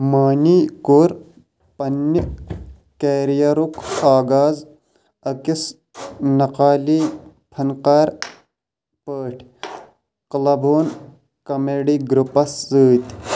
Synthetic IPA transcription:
maːniːkoɾ | pɐnːi | keːɾijɐɾukaːɡaːz | ɐkis | nɐqaːliː | pʰɐnqaːɾ | pəːʈʰ | qlɐboːn | kɐmeːɖiːɡɾupɐsɨːt̪ʲ

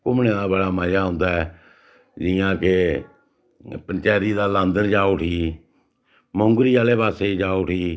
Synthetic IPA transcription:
kʊmnẽːd̪aːbəɽaːməjaːɦʊ̃ːnd̪aːɛː | d͡ʒɪjãːke | pənt͡ʃɛːɾiːd̪aːlãːnd̪ənd͡ʒaːoːʈʰiː | mõːŋɡɾiːaːleːpaːseːid͡ʒaːoːʈʰiː

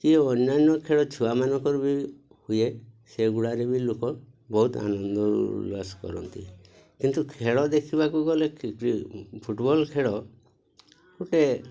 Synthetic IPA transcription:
kiɔnːanːɔkʰeɽɔt͡ʃʰuwamanɔkɔɾbi | hujeseɡuɽaɾebilokɔ | bɔɦut̪a̰nɔnd̪ɔɾṵlaskɔ̰ɾɔ̰nt̪ḭ | kint̪ukʰeɽɔd̪ekʰibakuɡɔlekikɾipʰuʈbɔlkʰeɽɔ | kuʈe

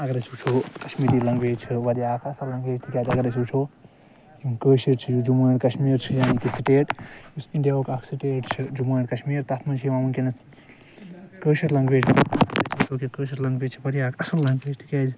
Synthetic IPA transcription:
ɐɡɐɾɐt͡ʃʰut͡ʃʰokɐʃmiːɾilɐŋɡeːd͡ʒt͡ʃʰiʋɐɾijaːkʰɐsɐlːɐŋɡeːd͡ʒt̪ʰikʲaːd͡ʒɐɡɾɐt͡ʃʰut͡ʃʰo | jimkəːʃiɾt͡ʃʰijud͡ʒuməːɾkɐʃmiːɾt͡ʃʰijaːnikisiʈeːʈusiɳɖijaokakʰsiʈeːʈt͡ʃʰid͡ʒuməːɾkɐʃmiːɾt̪ɐt̪ʰmɐnt͡ʃʰijʋamɐnkenɐ | kəːʃiɾlɐŋɡʋeːd͡ʒɾɐt͡ʃʰut͡ʃʰokikəːʃiɾlɐŋɡbeːd͡ʒt͡ʃʰiʋɐɾijaːkʰɐsɐlːɐŋɡeːd͡ʒt̪ʰi̥kaːd͡ʒ

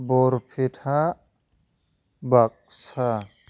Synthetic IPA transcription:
boɾpʰiʈʰa | bak̚sa

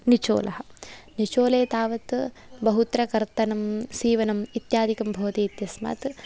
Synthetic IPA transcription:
nit͡ʃo̰ːlʔɐɦɐnit͡ʃoːleːt̪aːʋɐt̪ | bɐɦut̪ɾɐkɐɾt̪ɐnɐmsiːʋɐnɐmit̪jaːd̪ʱikɐmbʱoːt̪iːt̪jɐsma̰ːt̪

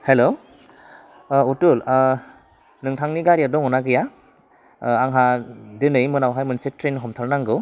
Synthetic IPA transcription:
helo | utul | nɯŋtʰaŋniɡaɾiadɔŋɔnaɡɯja | aŋɦadɯnɯjmɯnawɦajmɯnsetɾenɦɔmtʰaɾnaŋɡɯw

